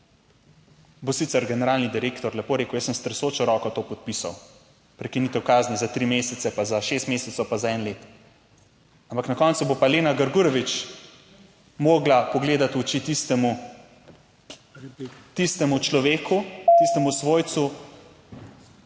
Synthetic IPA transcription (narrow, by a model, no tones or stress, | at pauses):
bosit̪sɛɾɡɛnɛɾaːlnid̪iɾeːkt̪ɔɾlɛpoɾeːkəwjəsːəmst̪ɾɛsot͡ʃɔɾɔːkɔt̪oːpɔt̪̚pisa̰w | pɾɛkinit̪ɛwkaːznizat̪ɾimeːsɛt̪sɛpazaʃest̪meːsɛt̪sɔwpazaɛnleːt̪ | ampaknakɔːnsubopaleːnaɡəɾɡuɾɔʋit͡ʃ | moːɡlapɔɡleːd̪at̪ut͡ʃit̪ist̪ɛmu | t̪ist̪ɛmut͡ʃlɔʋeːkʰut̪ist̪ɛmusʋoːjt̪su